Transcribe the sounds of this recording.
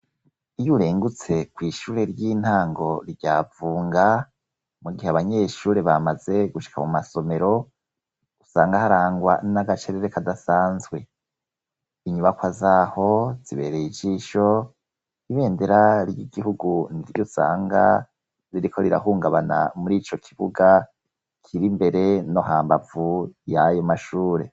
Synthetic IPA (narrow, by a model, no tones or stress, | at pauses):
ijuɾeːŋɡut͡se̞kwiːʃuːɾe̞ɾjiːn̥haːŋɡo̞ɾiɟaːvuːŋɡa | muɡiheaβaɲe̞ːʃuːɾe̞βamaze̞ɡuʃi̥kʰamumaso̞me̞ɾo̞̥ | usa̰ːŋɡahaɾaːŋɡwa̰naɡat͡ʃeɾeɾe̞kadasaːnzɡwe̞ | iɲuβakwazaːho̞z̥iβe̞̰ːɾeid͡ʒiʃo̞ | iβe̞ːnde̞ɾaɾjiɡihuɡunidiɾjusa̰ːŋɡa̰ | ɾiɾikʰo̞ɾiɾa̰huːŋɡaβana̰muɾiːt͡ʃo̞kʰiβuɡa | kʰiɾimbe̞ɾe̞no̞ɦaːmbavujajo̞maʃuːɾe̞